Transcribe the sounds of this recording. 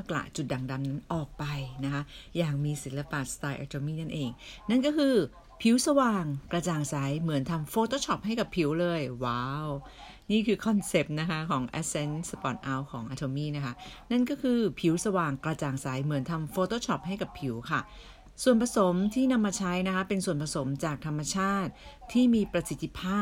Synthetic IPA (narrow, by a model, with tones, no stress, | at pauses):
maː˥˩kla̰˨˩ʔt͡ɕu˨˩t̪̚da˨˩ŋda˧mna˦˥nʔɔː˨˩k̚pa˧jna˦˥kʰa˦˥jaː˨˩ŋmiː˧si˩˦la˧paː˨˩t̪̚st̪aː˧jʔa̰˧t̪ʰoː˧miː˥˩na˥˩nʔeː˧ŋna˥˩nkɔː˥˩kʰɯː˧ | pʰi˨˩˦wsa˧waː˧ŋkɾa˧t͡ɕaː˨˩ŋsa˩˦jmɯ˨˩˦ənt̪ʰa˧mfoː˧t̪ʰoː˥˩t͡ɕʰɔ˨˦˥p̚ɦa˥˩jka˨˩pʰi˩˦wlɤː˧jwaː˦˧˩w | niː˥˩kʰɯː˧kʰɔ˧nse˨˩p̚na˦˥kʰa˦˥kʰɔː˩˦ŋʔɛ̰˦˥se˧˥nsa˧pɔ˨˩t̪̚ʔa˧wkʰɔː˩˦ŋʔaː˧˩t̪ʰoː˧miː˥˩na˦˥kʰa˦˥na˥˩nkɔː˥˩kʰɯː˧pʰi˩˦˥wsa˧waː˨˩ŋkɾa˧t͡ɕaː˨˩ŋsa˩˦jmɯ˩˦ənt̪ʰa˧mfoː˧t̪ʰoː˥˩t͡ɕʰɔ˨˦˥p̚ɦa˥˩jka˨˩pʰːi˩˦wkʰa˥˩ | su˨˩ənpʰa˧so˩˦mt̪ʰiː˥˩na˧mːaː˧t͡ɕʰa˦˥jna˦˥kʰa˦˥pe˧nsu˨˩ənpʰa˧so˩˦mt͡ɕaː˨˩k̚t̪ʰa˧mːa˧t͡ɕʰaː˥˩t̪̚ʰːiː˥˩miː˧pɾa˧si˨˦t̪ʰːi˧˥pʰaː˥˩